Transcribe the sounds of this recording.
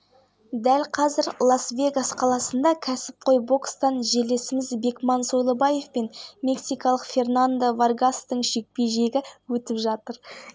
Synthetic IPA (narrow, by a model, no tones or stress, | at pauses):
d̪ælqʰɑzɪɾlˠɑsvʲe̞ɡasqʰɑlˠɑsənd̪ɑkʲʰæsɪ̥p̚qʰo̞jbo̞kst̪ɑnʒe̞le̞sɪmɪzbe̞kmɑnso̞jlˠəbɑje̞fpe̞nmʲe̞ksijkɑlˠəqfʲe̞rnand̪avarɡast̪əɴʃe̞k̚pe̞jʒe̞ɡʲɪwɵt̪ɪpʒɑt̪əɾ